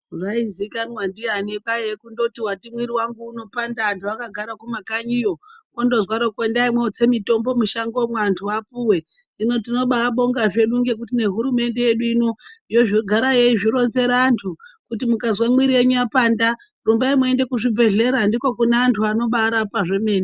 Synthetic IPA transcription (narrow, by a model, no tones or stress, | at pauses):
raizikanwandianekajekundo̞tiwatimwiɾiwaŋɡuːno̞pandaːntʰuakaɡʱaɾakumakaɲijo̞kondo̞zwaɾokwendaimweot͡se̞mito̞mbo̞muʃaŋɡo̞mwantʰuapuwe̞ | ino̞tino̞ɓaːɓo̞ŋɡaʐe̞ɗuŋɡe̞k̬utine̞ɦuɾume̞nde̞jeɗuinoijo̞ʐiɡʱaɾajeiʐiɾo̞nze̞ɾaːntʰukutimukazwamwiɾieɲuapaːnda | rumbaimue̞nde̞kuʐibʱe̞ɮe̞ɾandiko̞kunaːntʰuano̞ɓaɾapaʐe̞me̞ːni